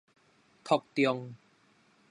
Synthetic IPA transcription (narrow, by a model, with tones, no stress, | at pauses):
t̪ʰɔ˨˩k̚t̪jɔ˧ŋ